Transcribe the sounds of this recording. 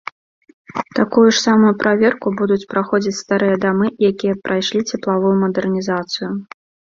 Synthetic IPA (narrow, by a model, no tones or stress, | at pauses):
t̪akujuʂsamujupɾʔavʲɛrkubud̪ut͡sʲpɾaxɔd͡zʲit͡sʲst̪aɾɨjɐd̪amɨjakʲijɛpɾajʂlʲit͡sʲɛplˠavujumɐd̪ɛrnʲizat̪sɨjʊ